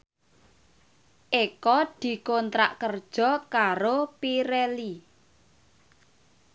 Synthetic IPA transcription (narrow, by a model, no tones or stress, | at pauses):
ʔekɔd̪̥i̤kont̪ɾa̰ʔkərd̥ʒ̥ɔ̤kaɾopiɾeli